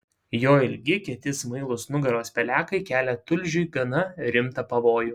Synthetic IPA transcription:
joːɪlʲɡʲɪkʲɛt̪ʲɪsmɐɪlˠʊsnʊɡɐɾoːspʲɛlʲæːkɐɪkʲæːlʲɛt̪ʊlʲʒʲʊɪɡɐnɐɾʲɪmt̪ɐpɐʋoːju

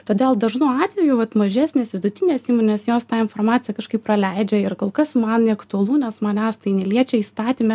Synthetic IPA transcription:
t̪oːdʲeːlˠd̪ɐʒnuɑːt̪ʲʋʲɛjuʋɐt̪mɐʒʲæːsʲnʲeːsʋʲɪd̪ʊt̪ʲɪnʲeːsiːmoːnʲeːsjoːst̪ɑːɪnfoːrmɑːt͡sʲɪjɛkɐʃkɐɪprɐlʲɛɪd͡ʒʲɛɪrkoːlˠkɐsmɐnnʲɛɐkt̪ʊɐlˠuːnʲɛsmɐnʲæːst̪ɐɪnʲɛlʲiɛt͡ʃʲɛiːst̪ɑːt̪ʲiːmʲɛ

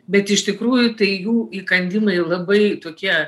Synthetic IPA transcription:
bʲɛt̪ɪʃt̪ʲɪkɾuːjʊt̪ɐɪjuːikɐnʲd̪ʲɪmɐɪlˠɐbɐɪt̪oːkʲiɛ

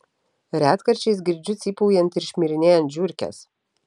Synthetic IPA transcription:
ɾʲæːt̪kɐɾʲt͡ʃʲɛɪs̬ɡʲɪɾʲd͡ʒʲʊt̪sʲiːpɔʊjɛnt̪ɪɾʃʲmʲiɾʲɪnʲeːjɛnt̪ʒʲʊɾʲkʲɛ̰s

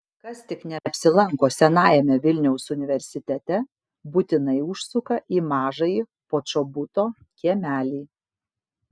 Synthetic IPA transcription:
kɐst̪ʲɪknʲɛɐpʲsʲɪlˠɐŋkoːsʲɛnɑːjɛmʲɛʋʲɪlʲnʲɛʊsʊnʲɪʋʲɛɾʲsʲɪt̪ʲɛt̪ʲɛ | but̪ʲɪnɐɪʊʃsʊkɐʔiːmɑːʒɐji | poːt͡ʃobʊt̪oː | kʲiɛmʲæːlʲiː

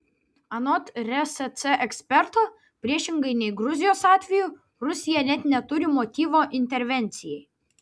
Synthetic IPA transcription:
ɐnɔt̪ɾʲɛsɛt̪sɛʔɛksʲpʲɛɾt̪oː | pʲɾʲiɛʃʲɪŋɡɐɪnʲɛɪɡɾʊzʲɪjoːsɑːt̪ʲʋʲɛju | ɾʊsʲɪjɛnʲɛt̪nʲɛt̪ʊɾʲɪmot̪ʲiːʋoːʔɪnʲt̪ʲɛɾʲʋʲɛnʲt̪sʲɪjɛɪ

